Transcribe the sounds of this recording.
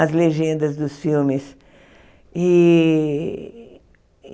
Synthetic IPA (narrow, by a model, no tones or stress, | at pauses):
ɐzleʒẽnd̪ɐzd̪ʊsfiwmɪs | i